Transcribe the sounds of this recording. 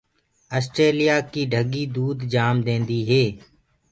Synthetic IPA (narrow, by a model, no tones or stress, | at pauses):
əːsʈɾeːlijaːkiːɖʱəɡiːd̪uːd̪d͡ʒaːmd̪ẽːnd̪iːɦeː